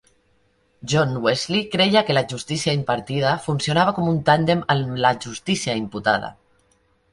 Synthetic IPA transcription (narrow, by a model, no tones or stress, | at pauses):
ʒɔnwezlikɾejakelaʒust̪isiaimpaɾt̪ið̞afunsionaβ̞akɔmunt̪and̪eməlaʒust̪isiaimput̪a̰ð̞a̰